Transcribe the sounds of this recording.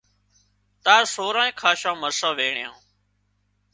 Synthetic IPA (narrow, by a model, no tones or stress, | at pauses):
t̪aːsoːɾãːẽːkʰaːʃãːməɾsãːʋeːɳejã̰ː